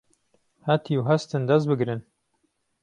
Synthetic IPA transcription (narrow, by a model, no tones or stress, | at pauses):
hat̪ʰiwɦɐst̪ɨnd̪ɐs̚bɨɡɾɨn